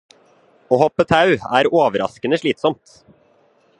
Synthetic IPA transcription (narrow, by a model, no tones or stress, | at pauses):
oːhɔpːət̪ʰɑʉæ̰ːɾoːʋəɾʔɑ̰skənəʂɭiːt̪sɔmt̪